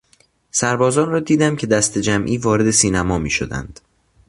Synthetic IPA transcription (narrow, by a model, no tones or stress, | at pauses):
sæɾbɒːzɒːnrɒːd̪iːd̪æmcʲʰe̞d̪æst̪ʰe̞d͡ʒæmʔiːvɒːɾe̞d̪e̞siːnæmɒːmḭːʃo̰d̪æ̰nd̪̥